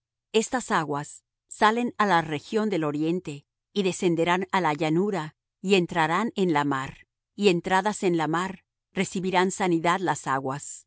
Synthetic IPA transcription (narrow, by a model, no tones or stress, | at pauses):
e̞st̪asaɣwasː | ale̞nalare̞xjo̞nd̪e̞lo̞ɾje̞nt̪e | iðe̞se̞nd̪e̞ɾanalaʝanuɾa | ie̞nt̪ɾaɾane̞nlamaɾ | ie̞nt̪ɾaðase̞nlamaɾ | re̞siβiɾansaniðaðlasaɣwas